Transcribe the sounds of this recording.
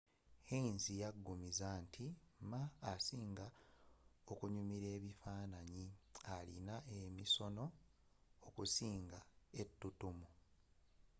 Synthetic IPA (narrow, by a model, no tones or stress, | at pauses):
einzijaɡːumizaːntʰimmaːsiːŋɡa | okuɲumiɾe̞ːβifaːnaɲialinaʔemiso̞no̞ | okusiːŋɡae̞tːutumu